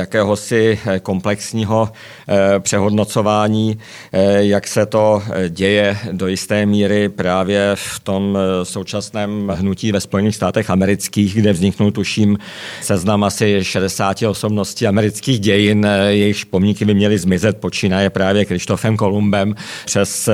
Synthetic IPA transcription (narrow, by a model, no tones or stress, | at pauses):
jakɛːɦo̞sɪko̞mplɛksɲiːɦo̞ | pr̥ɛɦo̞dno̞t͡so̞vaːɲiː | jaksɛt̪o̞ɟɛjɛdo̞jɪst̪ɛːmiːɾɪpɾaːvjɛft̪o̞mso̞wt͡ʃasnɛːmɦnuciːvɛspo̞jɛniːxst̪aːt̪ɛxamɛɾɪt͡skiːɣɡdɛvzɲɪknult̪uʃiːm | sɛznamʔasɪʃɛdɛsaːcɪo̞so̞bno̞sciamɛɾɪt͡skiːɣɟɛjɪnjɛjɪxʃpo̞mɲɪkɪbɪmɲɛlɪzmɪzɛt̪̚po̞t͡ʃiːnaːjɛpɾaːvjɛkɾɪʃt̪o̞fɛmko̞lumbɛmpr̥ɛs